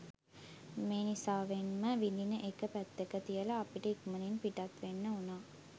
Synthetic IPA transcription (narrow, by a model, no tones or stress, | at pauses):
meːnisaːʋenməʋilinəʔekəpæt̪ːekət̪ijəlaːpiʈəikuməninpiʈat̪ʋenːəunaː